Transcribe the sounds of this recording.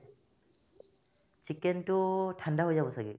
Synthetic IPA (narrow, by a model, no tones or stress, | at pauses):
t͡ʃikːentutʰandaɦojzabɔsaɡḭ